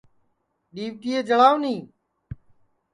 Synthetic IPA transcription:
ɗiːʋʈiːeːd͡ʒəɭaːʋnĩː

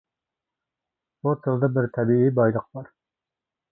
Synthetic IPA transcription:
but̪ʰəlˠd̪ɨbɪɾt̪ʰɛbiibɑjlˠəq̚bɑɾ

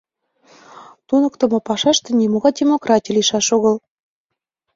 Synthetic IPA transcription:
t̪unə̆kt̪ə̆mɤ̆pɑʃɑʃt̪ɤ̆nʲimoɣɑdʲemokrɑtʲijliʃɑʃoɣə̆l

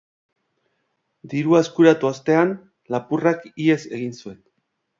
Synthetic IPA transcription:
d̪iɾuaeskuɾat̪uast̪e̞an | lapurakie̞se̞ɣinsue̞n

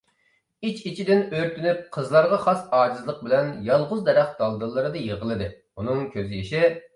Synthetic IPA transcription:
it͡ʃit͡ʃʰid̪ɪnøɾt̪ʰynyp̚qʰəzlˠɑɾʁɑχɑsɑːd͡ʒɨzlˠəq̚bɪlɛnjɑlˠʁʊzd̪ɛɾæχd̪̥ɑlˠd̪ɨlˠːɨɾɨd̪ɨjeʁəlˠɨd̪ɨ | unɨŋkʲʰøzjeʃɪ

